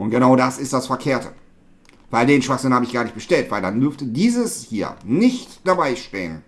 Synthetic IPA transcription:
ʔʊntɡ̥ənaʊdasɪst̚d̥asfɛɐkʰeːɐtʰə̰ | v̥aɪldeːnʃv̥axz̥ɪn̩haːbəɪçɡ̥aːɐnɪçt̚bəʃtɛltv̥aɪldandʏɐftədiːzəshiːɐnɪçtd̥abaɪʃtḛːə̰n

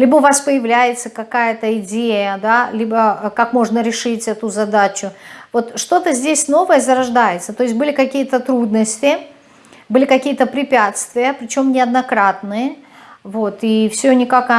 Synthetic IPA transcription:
lʲibəʊvaspəjɪvlʲæjɪt̪səkɐkajət̪əɪdʲejəd̪alʲibəkakmo̞ʐnəɾʲɪʂɨtʲɛt̪ʊzɐd̪at͡ɕʊvo̞t̪ʂt̪o̞t̪əzʲdʲesʲno̞vəjəzəɾɐʐd̪ajɪt̪sət̪o̞jɪsʲt̚ʲbɨlʲɪkɐkʲijət̪ət̪ɾud̪nəsʲtʲɪ | bɨlʲɪkɐkʲijət̪əpɾʲɪpʲat̪st̪vʲɪjəpɾʲɪt͡ɕo̞mnʲɪɐd̪nɐkɾat̪nɨjəvo̞t̪ifsʲonʲɪkakɐ

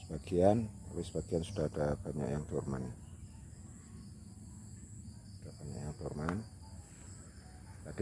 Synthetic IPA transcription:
sə̥baɡianalesəbaɡ̥iansud̥ahadab̥aɲa̰ʔjaŋt̪urman | sud̥ahb̥aɲa̰ʔjaŋt̪urman | t̪ad

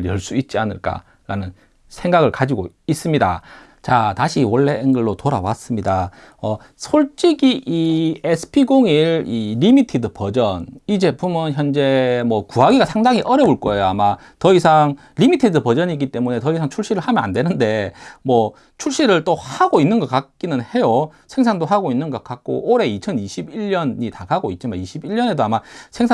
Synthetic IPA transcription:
jʌɭs͈uit̚t͡ɕ͈ianɯ̰ɭk͈a̰ | ɾa̰nɯn | sʰe̞ŋɡaɡɯɭkad͡ʑiɡois͈ɯmɲida | t͡ɕataɕʰiwʌɭːeːnɡʌɭːotoɾa̰wa̰s͈ɯmɲida | ʌ | sʰoɭt͡ɕ͈iɡiʔiesʰɯ̥pʰiɡoŋiɾiːimitʰidɯpʌd͡ʑʌnit͡ɕe̞pʰumɯnçjʌnd͡ʑe̞mwʌkuɦaɡiɡasʰaŋdaŋiʔʌɾjʌbuɭk͈ʌe̞joama | tʌisʰaŋ | ɾimitʰidɯpʌd͡ʑʌɲiɡit͈e̞mune̞tʌisʰaŋt͡ɕʰuɭɕ͈iɾɯɭhamjʌna̰ndwe̞nɯnde̞mwʌ | t͡ɕʰuɭɕ͈iɾɯɭt͈ohaɡoinːɯnɡʌk͈ak̚k͈inɯnhe̞josʰe̞ŋsʰaŋdoɦaɡoinːɯnɡʌk͈ak̚k͈o̰ʔoɾe̞it͡ɕʰʌniɕʰibiɭːʌnɲitaɡaɡoit̚t͡ɕ͈imaniɕʰibiɭːʌne̞doamasʰeŋsʰa

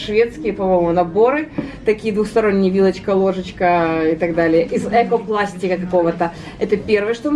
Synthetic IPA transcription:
ʂvʲe̞t̪skʲɪjəpɐmojmʊnɐbo̞ɾɨt̪ɐkʲijəd̪vuxst̪ɐɾo̞nʲːɪjəvʲilˠət͡ɕkəlˠo̞ʐɨt͡ɕkəɪt̪ɐɡd̪alʲɪjəʔizɛkoplˠasʲtʲɪkəkɐko̞vət̪ə | ɛt̪əpʲe̞rvɨjəʂt̪o

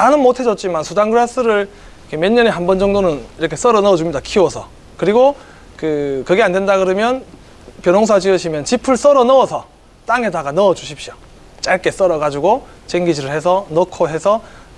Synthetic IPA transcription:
anɯnmotʰe̞d͡ʑʌt̚t͡ɕ͈imansʰudaŋɡɯɾas͈ɯɾɯɭ | kʰemeɲːʌneɦambʌnd͡ʑʌŋdonɯniɾʌkʰes͈ʌɾʌnʌʌd͡ʑumɲidakʰiwʌsʰʌ | kɯɾiɡo | kɯkɯɡe̞ande̞ndaɡɯɾɯmjʌn | pjʌnoŋs̬ʰad͡ʑiʌɕʰimjʌnt͡ɕipʰɯɭs͈ʌɾʌnʌʌsʰʌ | t͈aŋe̞daɡanʌʌd͡ʑuɕʰipɕ͈io | t͡ɕ͈aɭk͈e̞s͈ʌɾʌɡad͡ʑuɡo | t͡ɕeŋɡid͡ʑiɾɯɭhe̞sʰʌnʌkʰoɦe̞sʰʌ

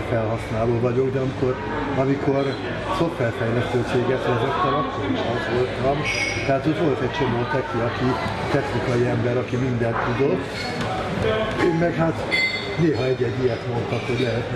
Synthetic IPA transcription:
fɛlɦɒsnaːloːvɒɟo̞ɡd̪ɛɒmiko̞r | ɒmiko̞r | so̞fʋɛrfɛjlɛst̪øːt͡ʃeːɡɛt̪ɛzokt̪ːɛɾɒkːoɾiʃɛt̪ʋolt̪ɒmt̪ɛɦaːt̪hoc̪ʋo̞lt̪ɛc̚t͡ʃo̞moːt̪ɛkiɒki | t̪ɛxnikɒjiɛmbɛɾɒkimind̪ɛnt̪ud̪o̞t̪ː | eːmmɛkɦat̪ | neːɦɒɛɟːɛɟːijɛt̪mo̞nt̪ɒkho̞ɟlɛɦɛt̪

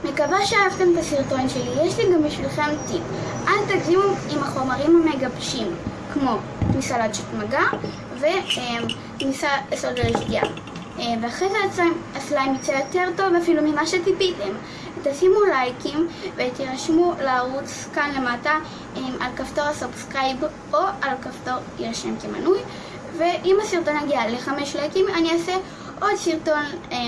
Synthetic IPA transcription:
me̞kabaʃeaavt̪e̞mtasiʁto̞nʃe̞lijeʃliɡambiʃvilχe̞mt̪ipʔalt̪aɡzimuimaχo̞maʁimhame̞ɡabʃimkmo̞ | t̪misaladʃit̪maɡa | ve̞m | t̪misaesold̪eleʃdia̰ | veaχezeat͡saaslaimjot͡sejoteʁto̞vafilumimaʃet̪ipitem | t̪asimulajkimvet̪iʁaʃmulaːʁut͡s | kanlemata | emʔalkaftoʁasofskʁajb | ʔoʔalkafto̞ʁ | ieʁʃemkema̰nuj | ve̞ʔimasiʁt̪o̞naɡialeχameʃlajkimaniase | ʔo̞d̪siʁto̞n

